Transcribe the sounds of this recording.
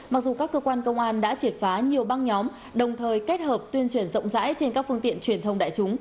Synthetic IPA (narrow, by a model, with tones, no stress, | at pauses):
ma˨˩k̚zu˨˩kaː˦˥kːəː˧kwaː˧nkə˧wŋ͡mʔaː˧nɗa̰ː˧˥t͡ɕi˨˩ət̚faː˨˦ɲi˨˩əwɓa˧ŋɲɔ˨˦m | ɗə˨˩wŋ͡mt̪ʰəː˨˩jke˦˥t̚həː˨˩p̚t̪wi˧ənt͡ɕwi˧˩ənzə̰˧˨wŋ͡mza̰ː˧˥jt͡ɕe˧nkaː˦˥k̚fɨ˧əŋt̪ḭ˧˨ənt͡ɕwi˨˧˩ənt̪ʰə˧wŋ͡mɗa̰ː˧˨jt͡ɕʊ˨˦ŋ͡m